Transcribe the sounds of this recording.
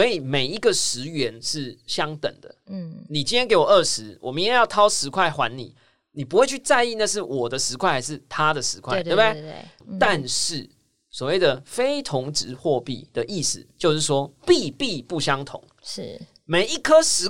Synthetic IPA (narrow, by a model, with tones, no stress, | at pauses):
sɔ˧˥i˨˩me˨˩ɪi˧˦ɡə˨ʂɻ̩˧˦ɥɛ˧˦nʂɻ̩˥˩ɕjɑ˦˥ŋt̪ə̰˨˩ŋd̪ə̰˦˥ni˨˩t͡ɕi˥njɛ˥nk̬e˧ɪwɔ˨˩ə˥˩ʂɻ̩˧˦wʔɔ˨˩mi˨˦jɛ˥˧˦jɑ˥˩t̪ʰɑ˥ʊʂɻ̩˧˥kʰwa˥˩ɪxwa̰˧˦nnḭ˨˩˦ | ni˨˩pu˦xwe˥˧t͡ɕʰy˥˧t͡sa˥˧ɪi˥˧na˥˧ʂ̬ɻ̩˥˩wɔ˨˩d̪ə˦ʂɻ̩˧˥kʰwa˥˩ɪxa˧ɪʂɻ̩˥˩t̪ʰa˦d̪ə˨ʂɻ̩˧˥kʰwa̰˥ɪte˥˩e˥˦t̪a˥˧nʂɻ̩˥˩ | swɔ˨˩we˥˩ɪd̪ə˩fe˥ɪt̪ʰʊ˧˦ŋʈ͡ʂɻ̩˧˦xwɔ˥˧pḭ˥˩d̪̥ə˨ʔi˥˩sɹ̩̰˩t͡ɕjo˥˧ʊʂɻ̩˥˩ʂwɔ˥pi˥˧pi˥˧pu˥˩ɕjɑ˦ŋt̪ʰʊ̰˧˦ŋ | ʂ̩˥˩ | me˨˩ɪi˧˥kʰə˥ʂɻ̩˧˥